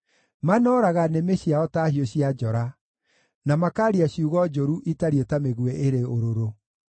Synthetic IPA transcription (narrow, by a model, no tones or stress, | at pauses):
manɔːɾaɣanemeɕiaɔtaːɦioɕiad͡ʒɔɾa | namakaːɾiaɕiuɣɔd͡ʒoɾuʔitaɾiotameɣweʔeɾeoɾoɾo